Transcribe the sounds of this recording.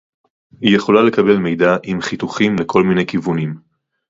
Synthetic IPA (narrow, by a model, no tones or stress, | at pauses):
hije̞χo̞lale̞kabe̞lme̞jd̪aʔimχituχimlekʰo̞lmine̞jkivunim